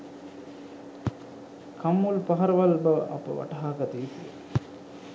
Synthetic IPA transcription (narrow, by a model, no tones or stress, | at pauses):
kʰɐmːulpɐɦɐɾɐʋɐlbɐʔɐ̰pə̰ʋɐ̰ʈɐɦaːɡɐt̪iit̪iḛ